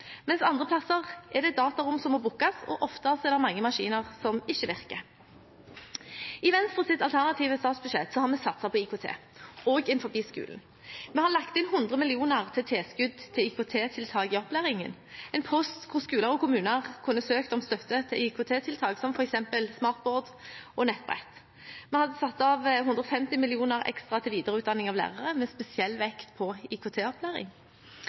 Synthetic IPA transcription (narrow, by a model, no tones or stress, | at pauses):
mɛnsɑnd̪ʁəpʰlɑsəʁʔɛʁd̪ɛd̪ɑːt̪ɑɾʊmsɔmːɔbʊkːɑsɔ̰ʔɔft̪əɑsɛd̪ɛmɑŋːəmɑʂḭːnəʁsɔmɪçːəʋɪʁkə | ɪʋɛnst̪ʁəsɪt̪ɑlt̪ʰæʁnɑt̪ʰiːʋəst̪ɑːt̪sbʉʂeːt̪sɔhɑʁmɛsɑt̪sɑpʰɔiːkʰʊt̪ʰḛːoːɡɪnfɔɾbiːskʉ̰ːln̩ | mɛhɑʁlɑkt̪ɪnɦʊnd̪ʁəmɪlɪuːnəʁt̪ʰɪt̪ʰeːskʉd̪t̪ʰɪiːkʰʊt̪ʰeːt̪ʰɪlt̪ʰɑːɡəɔplæːʁɪŋə̰n | ɛɪnpʰɔst̪kʰʊʁskʉːləʁɔkʊmʉːnəʁkʰʉnːəsøːkt̪ɔmst̪œt̪ːət̪ʰɪlɪkʰʊt̪ʰeːt̪ʰɪlt̪ʰɑːɡsɔmfɔɾɛksɛmpəlsmɑːʁt̪̚boːd̪ʔɔnɛt̪̚ːbʁɛ̰t̪ | mɛhɑd̪ːəsɑt̪ːɑʋɦʉnd̪ʁɾɔfɛmt̪ɪmɪlɪuːnəʁɛ̰kst̪ʁɑt̪ʰɪlʋiːd̪əʁəʉːt̪d̪ɑnːɪŋɑʋlæ̰ːʁəʁəmɛspɛsɪɛlːʋɛkt̪pʰɔikʰʊt̪ʰeːɔplæːɾɪ̰ŋ